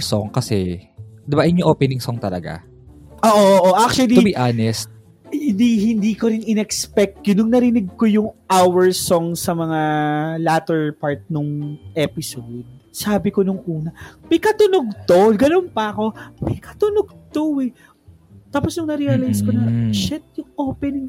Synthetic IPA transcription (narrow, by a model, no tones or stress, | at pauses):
soŋkɐsɛd̪ɪbaʔjnɲʊʔoːpɛnɪŋsɔŋt̪ɐlɐ̰ɡa̰ | ʔoːʔooʔoʔak̚t͡ʃuwɐliʊbiʔanɛst̪̚ | hɪnd̪ihɪnd̪iːkoɾɪnɪnɛkspɛk̚t̪̚konʊŋnɐɾɪnɪɡ̚ko̞jʊŋʔawɛɹsoŋsɐmɐŋalaːt̪ɛɹpaɹt̪̚nʊŋʔɛpɪsowd̪̚saːbɪkonʊŋʔuːnɐmɐjkɐt̪ʊnoɡ̚t̪oɡɐnonpɐɐko̞mɐjkɐt̪ʊnoɡ̚t̪owɛ | t̪aːposnʊŋnɐɾiɐlajskonɐʃɛt̪̚jʊŋʔoːpɛnɪŋ